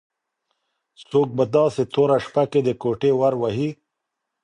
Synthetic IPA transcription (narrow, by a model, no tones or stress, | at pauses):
soːk̚bad̪ɑːset̪ʰoɾaʂpaked̪əkoʈewaɾwaɦi